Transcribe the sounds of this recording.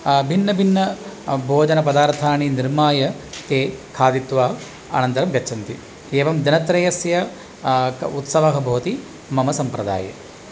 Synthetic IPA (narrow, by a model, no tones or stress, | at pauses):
bʱinːɐbʱinːɐbʱoːd͡ʒɐnɐpɐd̪aːɾt̪ʰaːniniɾmaːjɐt̪eːkʰaːd̪it̪ʋaː | a̰ːnɐnt̪ɐɾɐmɡɐːt͡ʃʰɐnt̪i | eːʋɐmd̪ɐnɐt̪ɾɐjɐsjɐ | ut̪sɐʋɐɦɐbʱɐːt̪i | mɐmɐsɐmpɾɐd̪a̰ːjɐ̰